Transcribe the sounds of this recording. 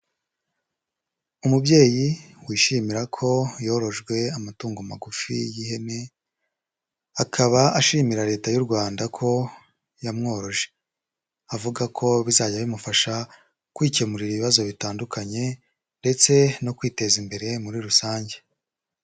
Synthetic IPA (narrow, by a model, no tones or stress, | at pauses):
umubɟe̞ːjiwiːʃiːmiɾakʰo̞jo̞ːɾo̞ʒɡwe̞amatuːŋɡomaɡufijihe̞ne̞ | akʰaβaaʃiːmiɾaɾe̞ːtajuɾɡwaːndakʰo̞ | jamŋo̞ːɾo̞ʒe̞̥ | avuɡakʰo̞βizaːɟaβimufaʃa | kwiːcemuɾiɾiβiβazo̞βitaːndukaɲe̞ | nde̞t͡se̞no̞kwiːte̞zimbe̞ɾe̞muɾiɾusaːɲɟe̞